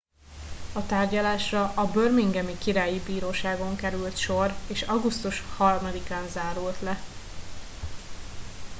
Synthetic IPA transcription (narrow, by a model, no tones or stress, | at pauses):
ɒt̪aːrɟɒlaːʃrɒʔɒbørmiŋɡɛmikiɾaːjibiːɾoːʃaːɡo̞ŋkɛɾylt̪ʃo̞reːʃɒɡust̪uʃhɒrmɒd̪ikaːnzaːɾult̪lɛ